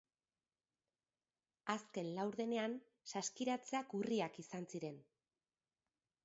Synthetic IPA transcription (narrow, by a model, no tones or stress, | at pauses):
aske̞nlawɾðe̞ne̞an | saskiɾat͡seakuriakisansiɾe̞n